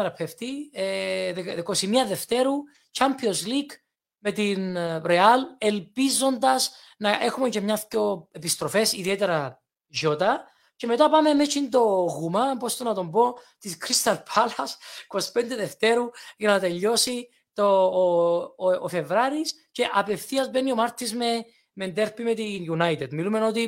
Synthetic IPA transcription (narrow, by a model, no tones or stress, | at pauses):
eɾɐpʰeft̪ieððekosimiɐðe̞ft̪e̞ɾu | cɐmpʰjozlik | me̞t̪inɾeɐle̞lpizo̞nd̪ɐs | nɐʔe̞xumecemɲɐfco̞epist̪ɾofe̞siðiet̪eɾɐ | ʝo̞t̪ɐ | ceme̞t̪ɐpɐme̞met͡ʃind̪o̞ɣumɐpost̪onɐt̪o̞mbo̞ | t̪iskɾist̪ɐlpʰɐlɐsko̞spend̪eðeft̪e̞ɾuʝɐnɐt̪e̞ʎːo̞si | t̪o | fe̞vɾaɾis | ce̞ʔɐpe̞fθiɐzbenio̞mɐɾt̪izme | mend̪eɾpime̞t̪injunajt̪ed̪milume̞no̞t̪i